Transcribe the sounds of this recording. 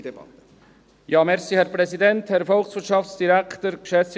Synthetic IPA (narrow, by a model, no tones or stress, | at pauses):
jɑːmɛʁsiːhɛɾpʁɛsidɛnthɛɾfɔlksvɪɾtʃɑftsd̥iɾækʰt̪əɾkʃɛt͡s